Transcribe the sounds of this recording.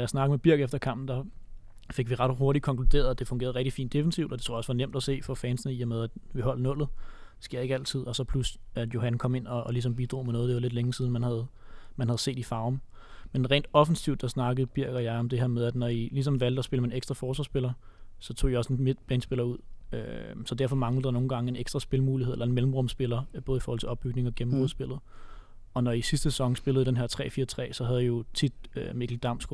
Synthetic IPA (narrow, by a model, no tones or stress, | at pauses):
jɑ̈ɪsnɑ̈ɡ̥ð̩meb̥iɐɡ̥efd̥ɐkʰɑ̈m̰b̥n̩d̥ɑ̈ | fe̝ɡ̥ʋiʁɑ̈d̥ho̝ɐɾi̥kʰɒ̽ŋkʰlud̥e̝̰ːɐð̩ˠd̥e̝fɔŋɡḛːɐð̩ˠɛɡ̥̚d̥ifḭːnd̥e̝fn̩siʊd̥ɒ̽de̝t͡sʰo̰ɐ̰sʋɑ̈nem̰d̥æse̝̰ːfɒ̽fɛːnsnəiɐmeð̞ˠæd̥ʋiɦɒ̽l̰nɔ̽l̰ð̩ˠsɡ̥e̝ɐ̰e̝ɡ̥æl̰t͡sʰið̞̰ˠɒ̽sɒ̽pʰlusæd̥jo̝ɦænkʰɒ̽me̝n̰ɒ̽lis̬ɒ̽mb̥id̥ʁo̝̰ːmenɔ̽ːð̞̩ˠde̝ʋɑle̝d̥leŋsiðˠn̩mænhæð̞̩ˠ | mænhæð̞̩ˠse̝̰ːd̥ifɑ̈ʊm | menʁḛːnd̥ɒ̽fn̩siʊ̰d̥ɑ̈snɑ̈ɡ̥əð̩ˠb̥iɐ̰ɡ̥ɐjɑ̈ɪɒ̽md̥e̝hæɐmeð̞ˠæd̥nɒilis̬ɒ̽mʋæl̰d̥ɒ̽sb̥e̝ləmæneɡsd̥ʁɑfɒːsʋɑ̈ːsb̥e̝lɐsɒ̽t͡sʰo̝̰ːiɒ̽se̝nme̥b̥ɛːnsb̥e̝lɐuð̞̰ˠøsɒ̽d̥æɐfɒ̽mɑ̈ŋləəd̥ɑ̈no̝ːn̩ɡ̥ɑ̈ŋəe̝neɡ̥sd̥ʁɐsb̥e̝lmuːliheðˠelɐenmelm̩ʁɔ̽msb̥e̝lɐb̥ɔːðˠifɔːɒl̰t͡se̝ɒ̽b̥yɡ̥ne̝ŋɒ̽ɡ̥em̩b̥oðˠsb̥e̝lð̞̩ˠ | ɒ̽nɒisisd̥əse̥sɒ̽ŋsb̥e̝ləð̞̩ˠd̥enɦeɐ̰t͡sʰʁɛ̰ːfiːɐt͡sʰʁɛ̰ːsɒ̽ɦæðˠijo̝t͡sʰid̥øme̝ɡʰld̥ɑ̈m̰sɡ̥